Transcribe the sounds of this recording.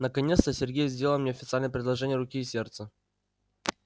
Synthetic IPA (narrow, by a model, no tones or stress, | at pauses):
nəkɐnʲet̪st̪əsʲɪrɡʲejzʲdʲeləlˠmnʲeɐfʲɪt̪salʲnəjəpɾʲɪd̪lˠɐʐɛnʲɪjəɾʊkʲiːsʲe̞rt̪sə